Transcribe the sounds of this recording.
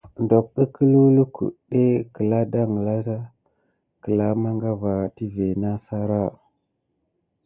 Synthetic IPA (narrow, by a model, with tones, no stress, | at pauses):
ndo˨k̚ə˦kʰə˦lu˦lu˦kṵ˨ɗe˦kə˨la˦da˦ŋə˨la˦ta˦ | kə˨la˦ma˦ŋɡa˦va˨ti˦ve˨na˦sa˦ɾa˦˨